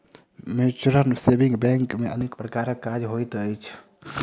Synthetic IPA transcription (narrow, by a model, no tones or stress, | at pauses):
met͡ʃuɾənsebiŋɡbɛŋkmeənekpɾəkaːɾəkːad͡ʒɦojt̪əjt͡ʃʰ